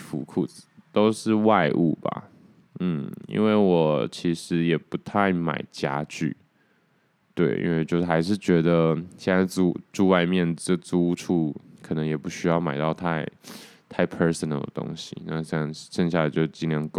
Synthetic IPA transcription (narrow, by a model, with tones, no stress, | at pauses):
fṵ˧˥kʰu˥˩d͡zɹ̩˨˩t̪o˥ʊʂɻ̩˥˧wa˥˧ɪʔṵ˥˩ba̰˩ | n̩˥˩ḭ˥nwe˥˩ɪwɔ˨˩t͡ɕʰi˧˥ʂɻ̩˧˥˦jɛ˨˩pu˧˥t̪ʰa˥˩ɪma̰˨˩ɪt͡ɕja̰˥t͡ɕy̰˥˩ | t̪we˥˩ɪʔḭ˥nwe˥˩ɪt͡ɕjo˥˧ʊ˥xa˧˥ɪʂ̬ɻ̩˥˩t͡ɕɥɛ˧˥d̪ə˧ɕɛ˥˩na˧˥ɪt͡su˥˧˩ʈ͡ʂu˥˧wa˥˧ɪmjɛ˥˧nʈ͡ʂt͡su˥ʈ͡ʂʰu˥˩kʰɤ˨˩nə˧˥ŋjɛ˨˩pu˧˥˩ɕy˥jɑ˥˩ʊma˨˩ɪt̪ɑ˥˧ʊt̪ʰa˥˧ɪ | t̪ʰa˥˩ɪpʰə˧˥sə˧˨nə˨˩ʊd̪ə̰˧t̪o̰˥ŋɕḭ˨na˥˧ɕjɑ˥˧ŋʂə˥˧ŋɕ̬ja˥˩la˧ɪt͡ɕjo˥˩ʊt͡ɕi˥˧ljɑ˥˧˩ŋk